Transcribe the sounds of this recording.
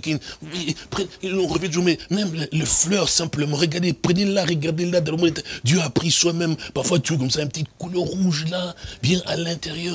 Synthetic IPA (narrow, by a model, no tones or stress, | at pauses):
kinwipχɛɔ̃ʁəvjɛ̃t̪̬uʒumɛmɛmlələflœʁsɛ̃pləmɑ̃ʁəɡaʁd̪epχənellaʁəɡaʁd̪eləlad̪ɑ̃ləmɔ̃d̪et̪ɛd̪jøapχiswamɛ̃mpaʁfwat̪yokɔmsaɛ̃npət̪it̪kulœʁʁuʒlabjɛ̃ʔalɛ̃t̪eʁjœʁ